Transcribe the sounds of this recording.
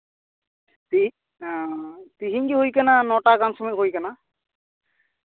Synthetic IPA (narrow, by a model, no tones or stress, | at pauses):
ti | t̪iɦiŋkiɦojkananɔʈakansɔmɔɦojkana